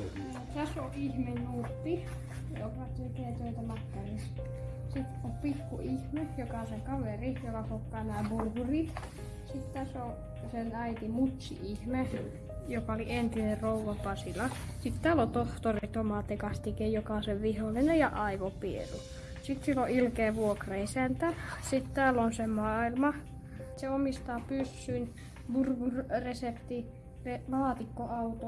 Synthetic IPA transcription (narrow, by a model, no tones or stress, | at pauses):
ot̪æsoʔihmenjuːt̪ːi | jo̰kɑt̪ekeːt̪øit̪æmɑk̪ːɑris | sit̪opikːṵʔihmejokɑseŋkɑʋerijokɑkokːɑːnæːburhurit̪ | sit̪t̪æso | senæit̪imut̪ʲsḭʔihme | jokɑolient̪inerrouʋɑpɑsilɑsit̪t̪æːlot̪oht̪orit̪omɑt̪ekɑst̪ikejjokɑseʋʋiholːinejɑʔɑiʋopiḛlu | sit̪silːoʔilkeːʋuokrɑisænt̪æsit̪t̪æːlonsemɑːilmɑ | seomist̪ɑːpysːyn | burkurresept̪i | relɑːt̪ikːoɑut̪o